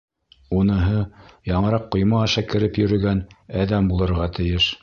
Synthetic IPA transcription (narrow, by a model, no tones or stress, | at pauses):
unɤ̆ɦɤjɑɴɤ̆ɾɑqːŏjmɑɑʃækɘ̆ɾɘpjɵ̆ɾɵ̆ɡænæðæmbulˠɤ̆ɾʁɑt̪ɘ̆jɘʃ